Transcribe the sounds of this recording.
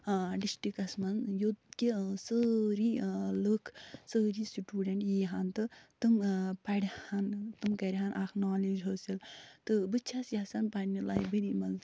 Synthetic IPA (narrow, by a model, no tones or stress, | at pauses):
ɖisʈikɐsmɐnjot̪kisəɾiləkʰsəːɾisiʈʲuːɖɐɳʈjiːɦant̪ɨt̪ɨmpɐɽʲhant̪ɨmkɐɾʲɦanʔakʰnaːlid͡ʒɦoːsilt̪ɨbɨt͡ʃʰasjasanpɐɽʲnila̰ːjbɐɾimɐn